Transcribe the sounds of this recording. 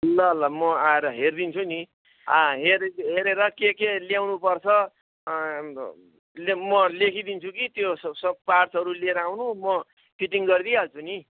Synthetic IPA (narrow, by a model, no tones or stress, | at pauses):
lʌɦʌlːamʌaeɾʌɦerd̪int͡sʰuni | ãɦeɾɦeɾeɾʌkekeljawnupʌrt͡sʰʌ | lmʌlekʰid̪int͡sʰukit̪jossʌpart͡sɦʌɾuleɾʌawnũmʌ | pʰiʈiŋɡʌrd̪iɦalt͡sʰuni